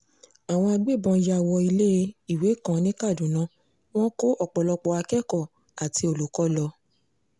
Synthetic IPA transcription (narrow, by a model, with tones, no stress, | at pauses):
a˨w̃ɔ̃˧a˧ɡ͡be˦˨bɔ̃˧ja˦˨wɔ˧i˧le˦˧˦i˦˨we˨˦kã˧nĩ˦ka˦˨dũ˨˦nã˦ | w̃ɔ̃˦ko˦ɔ˦˨k͡pɔ˨lɔ˧k͡pɔ˧a˧kɛ˦kɔ˦˨ | a˨ti˧o˨lu˨kɔ˦lɔ˧